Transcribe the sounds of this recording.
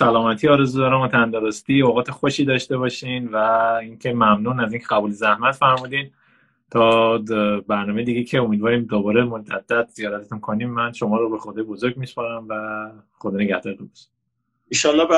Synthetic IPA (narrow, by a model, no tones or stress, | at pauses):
sælɒːmæt̪ʰiːɒːɾe̞zuːd̪ɒːɾæmot̪ʰænd̪ɒɾost̪ioɣɒːt̪ʰexoʃiːd̪ɒːʃt̪e̞βɒʃinvæiŋcʰe̞mæmnuːnæzincʰeɡæbuːlezæhmæt̪fæɾmuːd̪in | t̪ʰɒː | bæɾnɒːmejed̪iɟe̞jcʰeomiːd̪vɒːɾimd̪obɒːɾemod͡ʒæd̪̥ːæt̪z̥ijɒːɾæt̪ʰet̪ʰunkʰoniːmːænʃo̞mɒːɾobexod̪ɒːjebozoɾɡmispɒɾæmvæxod̪ɒːne̞ɡæhd̪ɒːɾet̪ʰunbe̥ʃi̥ | iʃɒlːɒbæ